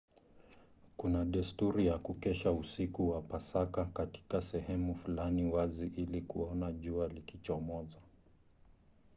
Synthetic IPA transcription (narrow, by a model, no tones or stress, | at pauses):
kunaɗɛstuɾijakukɛʃausikuwapasakakati̥kasɛhɛmufulaniwaziʔilikuɔnaʄualikit͡ʃɔmɔza